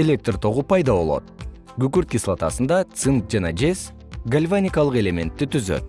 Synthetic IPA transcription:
e̞lʲe̞k̚t̪rt̪ʰo̞ʁupɑjd̪ɑβo̞lˠo̞̰t̪̚ | ɡykyɾt̪̚kʲislˠat̪ɑsɯnd̪ɑt̪sɨnk̪̚d͡ʒɑnɑd͡ʒe̞s | ɡalʲvanʲɪkɑlˠɯqe̞lʲe̞mʲe̞nt̪ːit̪yzø̞̰t̪̚

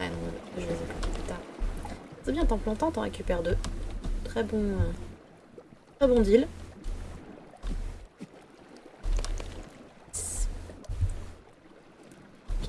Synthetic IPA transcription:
a̰nɔ̃əʒəezɛ̃pɑ̃t̪epyt̪aːʁ | səbjɛ̃t̪ɑ̃plɑ̃t̪ɑ̃t̪ɑ̃ʁekʲypɛʁd̪øt̪χɛbɔ̃ | t̪χɛbɔ̃d̪il | s

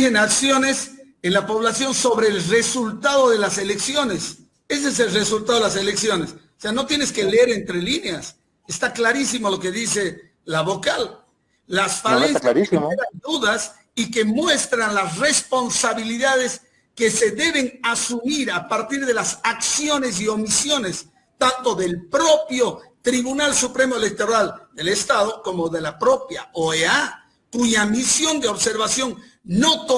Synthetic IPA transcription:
enaksjo̞ne̞s | enlapo̞β̞lasjo̞nso̞βɾe̞ːlre̞sult̪aðo̞ðe̞lase̞le̞ksjo̞ne̞s | e̞s̬ees̬e̞lresult̪aðoelas̬e̞leksjo̞ne̞soseano̞t̪jeneske̞leeɾent̪ɾelineas | est̪aklaɾis̬imo̞lo̞ke̞ðise̞ | laβo̞kalː | asfaleaaɾieand̪uðas | ike̞mwe̞st̪ɾanlas̬re̞spo̞nsaβiliðaðe̞s | ke̞se̞ðe̞βe̞nasumiɾapaɾt̪iɾðe̞lasaksjo̞ne̞s̬io̞misjo̞ne̞s | t̪ant̪o̞ðe̞lpɾo̞pjo̞t̪ɾiβunalsupɾe̞moele̞k̚t̪oɾald̪e̞le̞st̪aðo̞ko̞mo̞ðe̞lapɾo̞pjaoea | kuʝamisjo̞nd̪eo̞βse̞ɾβasjo̞n | no̞t̪o

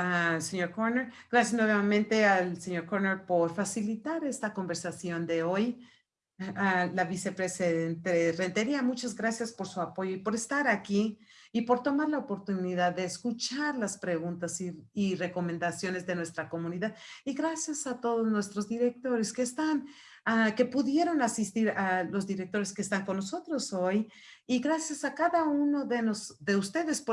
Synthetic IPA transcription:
aseɲo̞ɾkoɾneɾɡ̥ɾasjasnoβjamẽnt̪e̞alseɲo̞ɾkoɾneɾpo̞ɾfasilit̪aɾe̞st̪ako̞mbe̞ɾsasjo̞nd̪e̞o̞j | alaβise̞pɾe̞siðent̪ere̞nt̪eɾiamut͡ʃazɣɾasjaspo̞ɾsuapo̞ʝoipo̞ɾe̞st̪aɾakiipo̞ɾt̪o̞maɾlaopo̞ɾt̪uniðaðːeːskut͡ʃaɾlaspɾe̞ɣũnt̪asiire̞ko̞mẽ̞nd̪asjo̞ne̞zðe̞nwe̞st̪ɾako̞mũniðaðiɣɾasjasat̪o̞ðo̞znwe̞st̪ɾo̞zðiɾe̞k̚t̪o̞ɾe̞skeːst̪an | ake̞puðje̞ɾo̞nasist̪iɾalo̞zðiɾe̞k̚t̪o̞ɾe̞skeːst̪aŋko̞nːoso̞t̪ɾo̞soj | iɣɾasjasakaðauno̞ðenosðe̞ust̪e̞ðe̞sp

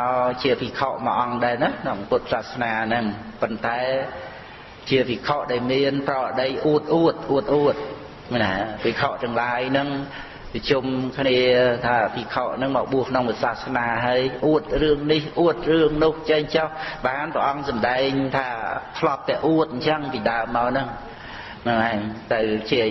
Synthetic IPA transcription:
at͡ɕiəpikʰoʔmə̰ʔɑŋɗaɛnanɑpʊt̪̚saːhsnaːnɨŋ | pont̪aɛ | t͡ɕiəpikʰoʔɗaɛɔlmiənprɑːəɗəjʔuət̪̚ʔuət̪̚ʔuət̪̚ʔuət̪̚ | napikʰoʔt̪ɨəŋlaːjnɨŋ | pət͡ɕumkʰniət̪ʰaːpikʰoʔnɨŋmaːɓuəhkʰnoŋʋisasnaːɦaəjʔuət̪̚rɨəŋnihʔuət̪̚rɨəŋnʊəht͡ɕəɲt͡ɕɑhɓaːnprəʔɑŋsɑmɗaɛŋt̪ʰaːt̪ʰlɑt̪̚t̪ːɛəʔuət̪̚ɲt͡ɕəŋpiːɗaəmːaɔnɨŋ | nɨŋʔaɛŋt̪ɨwt͡ɕi

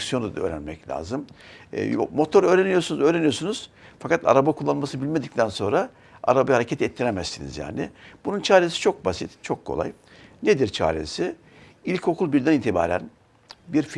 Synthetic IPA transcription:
sijonud̪aø̰ːɾænmɛclʲa̰ːzɯm̰ː | mo̞t̪ʰo̞ɾø̞ːɾenijo̞ɾsunuzøːɾenijo̞ɾsunuz̥ | fakat̪ʰa̰ɾabakʰulˠːanmasɯnɯbilʲme̞d̪ic̚t̪ʰænso̞nɾa | a̰ɾabahaɾecʰet̪ʰɛt̪ʰːiɾemæzsinḭzja̰ːnɪ̰bununt͡ʃʰaːɾesi̥t͡ʃʰo̞k̚basit̪t͡ʃʰo̞kʰːo̞̰lˠa̰j | ned̪iɾt͡ʃʰa̰ːɾesi | ilʲcʰo̞kʰulˠbiɾd̪ænit̪ʰiba̰ːɾæ̰n | biɾf

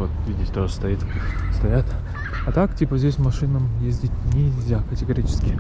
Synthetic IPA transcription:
ot̪vʲidʲɪtʲt̪oʐəst̪ɐit̪st̪ɐjat̪ | ɐt̪aktʲipəzʲdʲesʲmɐʂɨnəmjezʲdʲɪtʲnʲɪlʲzʲakətʲɪɡɐɾʲit͡ɕɪ̥skʲɪ

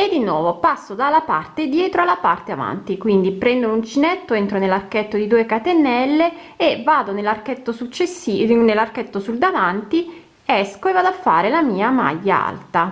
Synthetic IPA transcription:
ed̪ːinwɔːvopasːod̪alːapa̰rt̪ed̪jɛːt̪ɾoalːapart̪eava̰nt̪ikwind̪ipɾɛnd̪olunt͡ʃinɛt̪ːoent̪ɾonelːarket̪ːod̪id̪uːekat̪enɛlːe | evaːd̪onelːarket̪ːosut͡ʃːesːinelːarket̪ːosuld̪avant̪i | ɛskoevaːd̪oafːa̰ːɾelamiːama̰ʎːaa̰lt̪a

